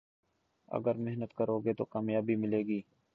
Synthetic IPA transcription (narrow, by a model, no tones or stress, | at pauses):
ə̰ɡəɾmeɦnət̪kəɾoːɡeːt̪o̰ːkaːmjaːbiːmɪleːɡiː